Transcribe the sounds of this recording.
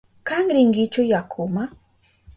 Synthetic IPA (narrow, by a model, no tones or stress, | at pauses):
kaŋɾɪŋɡɪt͡ʃʊjakʰʊma